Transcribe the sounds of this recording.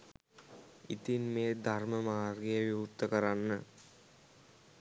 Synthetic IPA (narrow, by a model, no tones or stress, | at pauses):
it̪inmeːd̪ʱarməmaːrɡejəʋiʋut̪ːəkəɾanːə